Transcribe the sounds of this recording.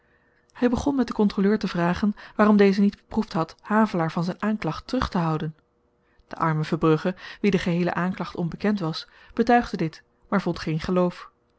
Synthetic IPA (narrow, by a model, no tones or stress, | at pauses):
hɛjbəχɔnmɛt̚dəkɔntroløːɹtəvraːχənʋaːrɔmdejzənid̚bəpruftɦɑthaːvəlaːɹvɑnzɛjnʔaːnklɑχtərɵχtəɦʌwdən | d̥əʔɑɹməvəbrɵχəʋidəχəɦejlə̰ʔaːnklɑχtɔnbəkɛntʋɑs | b̥ətœɥχdədɪt | maːɹvɔntχejnχəlowf